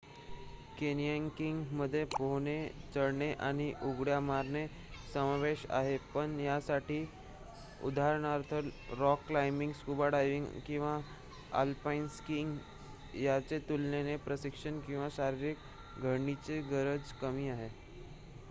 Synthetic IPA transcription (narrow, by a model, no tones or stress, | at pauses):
kenijaŋkiŋɡməd̪ʱːjepoɦɳet͡səɽɳeʔaɽ̃iʔuɡɽjamaɾɳe | səmaʋeɕa̰ɦepəɳjasaʈiː | ṵd̪aɾɳ̃aɾt̪ʰəlɾɔkːlajmiŋɡskubaɽajʋiŋɡkĩw̃ʋa | a̰lpainskiŋɡ | jat͡set̪ulnenepɾəsikʂəɳkĩw̃ʋaɕaɾiɾik | ɡʱəɾɳit͡seɡəɾəd͡zkəmiːaɦe